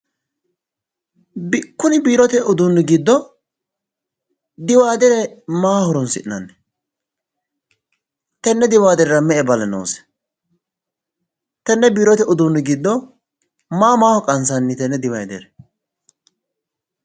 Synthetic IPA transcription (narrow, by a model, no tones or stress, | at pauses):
bɪkːʊnɪbiːɾɔt̪ɛʔʊd̪ʊnːɛɡɪd̪ːɔ | d̪ɪwaːd̪ɛɾɛmaːhɔɾɔnsɪ̰ʔnɐnːɛ | t̪ɛnːɛd̪ɪwaːd̪ɛɾɛɾɐmɛʔɛbɐlɛno̰ːsɛ̥ | t̪ɛnːɛbiːɾɔt̪ɛʔʊd̪ʊnːɪɡɪd̪ːɔ | maːmaːhɔkʼɐnsɐnːɪt̪ɛnːɛd̪ɪwɐjd̪ɛɾɛ